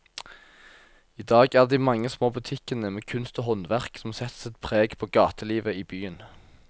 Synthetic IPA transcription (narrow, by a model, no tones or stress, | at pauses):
iːd̪ɑːɡæːʁd̪iːmɑŋːəsmoːbʉt̪ʰɪkənəmeːkʰʉnst̪oːɦɔnʋæʁksɔmsɛt̪sɛt̪pʰʁeːɡpʰoːɡɑːt̪ʰəliːʋəiːbyːən